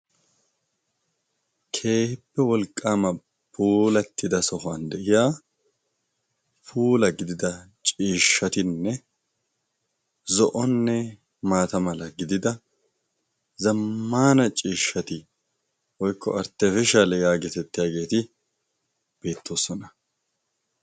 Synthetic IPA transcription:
kʰe̞ːhɪpːɛwɔlkʼːaːmɐ | pʰuːlɐt̪ːɪd̪ɐsɔhand̪ɛʔɪjaː | pʰuːlɐɡɪd̪ɪd̪ɐt͡ʃʼiːʃːɐt̪ɪnːɛ | zɔʔɔnːɛ | maːt̪ɐmɐlɐɡɪd̪ɪd̪ɐ | zɐmːaːnɐt͡ʃʼiːʃːɐt̪ɪ | wɔjkːɔɐɾt̪ːɛfɪʃɐlɛjaːɡɛt̪ɛt̪ːɪjaːɡe̞ːt̪ɪ | b̥e̞ːt̪ʰːo̞ːsɔnɐ

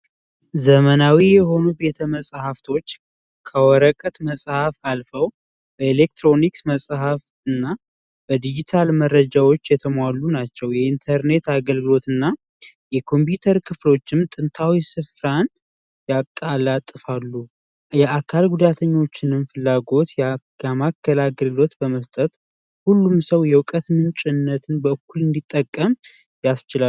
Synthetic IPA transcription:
zəmənawijɛho̞nube̞t̪ʰəməsʼhaft̪ʰo̞t͡ʃː | kʰəwɔɾəkʼət̪məsʼhafalfəw | b̥əelek̚t̪ʰɾo̞niksməsʼhaf | ɨnːa | b̥əd̪id͡ʒit̪ʰalməɾːəd͡ʒawo̞t͡ʃːjɛt̪ʰəmwalːunat͡ʃːɛwjɛint̪ʰəɾne̞t̪aɡəlɡɨlo̞t̪ɨnːa | jɛkʰo̞mp̬jut̪ʰəɾkʰɨflo̞t͡ʃːɪmt̪ʼɨnt̪ʰawisɨfɾan | jakʼːalat̪ʼːɨfalːu | jɛakʰalɡud̪at̪ʰəɲːo̞t͡ʃːɪnɨmfɨlːaɡo̞t̪j | amakʰːəlaɡəlɡɨlo̞t̪bəməst̪ʼət̪ | hulːumsəwjɛwkʼət̪mɨnt͡ʃʼɪnːət̪ʰɨnbəkːulɨnd̪it̪ʼːəkʼːəm | jast͡ʃɪla

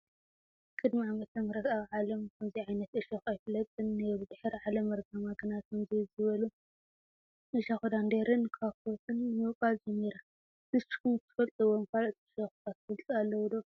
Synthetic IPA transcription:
kʼɨd̪miamɐt̪ʰɐmɐɾɐt̪aβʕalɐmkʰɐmziʕajnɐt̪ʔɨʃɐxajfɨlɐt̪ʼɨnːeɾud̪ɨħɨɾʕalɐmɐɾɡɐmaɡɨnat̪̚kʰɐmzizɨβɐlu | ʔɨʃaxud̪and̪eɾɨnkʰakot̪ʰɨnːɨmɨwkʼald͡ʒɛmːiɾa | nɨst͡ʃːi̥kumt̪ʰɨ̥fɐlt̪ʼɨwomfalt̪ʰʼɨʃɐxt̪ʰat̪ːfɨlt̪ʼɨalːɐwd̪o

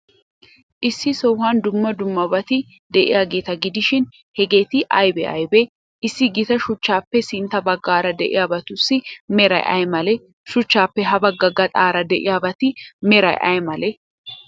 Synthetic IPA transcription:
ʔɪsːɪsɔwhaːnd̪ʊmːɐd̪ʊmːɐbɐt̪ɪ | d̪ɛʔɪ̰jaːɡe̞ːt̪ɐɡɪd̪ɪʃɪn | hɛɡe̞ːt̪ɪʔɐjbɛ̰ʔɐ̰jbɛ | ʔɪsːɪɡɪt̪ɐʃʊt͡ʃːaːpːɛsɪnt̪ɐbɐɡːaːɾɐd̪ɛʔɪ̰jaːbɐt̪ʊsːɪmɛɾɐ̰jʔɐ̰jmɐlɛ | ʃʊt͡ʃːaːpːɛɦɐbɐɡːɐɡːɐt̪ʼaːɾɐd̪ɛʔɪ̰jaːbɐt̪ɪmɛɾɐ̰jʔɐ̰jɛmɐlɛ

